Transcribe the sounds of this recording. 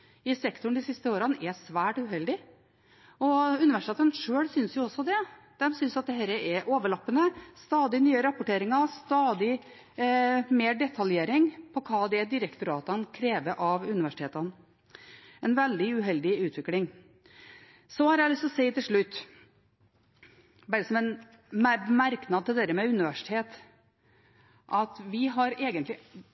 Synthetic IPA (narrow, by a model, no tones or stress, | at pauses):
ɪsɛkt̪ʊɳd̪ɪsɪst̪əoːɾənɛsʋæːʈʉɦɛld̪ɪ | ɔʉnɪʋæʂɪt̪eːt̪ənʂøːɽsʏnsjʊɔsːɔd̪ɛ | d̪̥ɛmsʏnsɑt̪̚d̪ɛɦɛːɾəʔɛʔoːʋəɭɑpːənəst̪ɑːd̪ɪnyːəɾɑpʊʈeːɾɪŋəst̪ɑːd̪ɪ | meːɖɛt̪ʰɑljeːɾɪŋpʰɔkʰɑːd̪ɛd̪ɪɾəkt̪ʊɾɑːt̪ənkʰɾeːʋəɾʔɑʋʉnɪʋæʂɪt̪ʰeːt̪ən | ɛnʋɛld̪ɪʉɦɛld̪ɪʉːt̪ʋɪklɪŋ | sɔhɑɾjæɪlʏst̪ɔsæɪt̪ɪlʂɭʉt̪ː | bæɾəsɔmɛn | mmæɾknɑd̪̚t̪ɪld̪æɾəmɛʉnɪʋæʂɪ̥t̪ʰeːt̪ | ʔɑt̪ʋɪɦɑɾeːɡənt̪lɪ